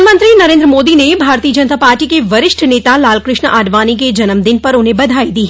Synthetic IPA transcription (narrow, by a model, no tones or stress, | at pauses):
mə̃nt̪ɾinɐɾẽːnd̪ɾəmoːd̪inebʱaːɾt̪iːəd͡ʒɐnt̪aːpaːɾʈikeʋɐɾɪʃʈʰneːt̪alaːlkɾɪʃɳəʔaːɖʋaːnik̬ed͡ʒɐnəmd̪ɪnpɐɾʊnɦẽbɐd̪ʱaːid̪iːɦɛ